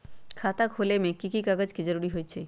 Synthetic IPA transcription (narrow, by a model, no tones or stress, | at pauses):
kʰat̪akholemekːikikaɡad͡ʑkid͡ʑoɾuɽiɦojt͡ɕʰe